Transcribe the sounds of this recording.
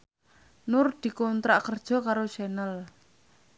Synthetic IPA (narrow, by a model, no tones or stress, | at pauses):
nʊrd̪̥i̤kɔnt̪ɾaʔkərd̥ʒ̥ɔ̤kaɾoʃɛnəl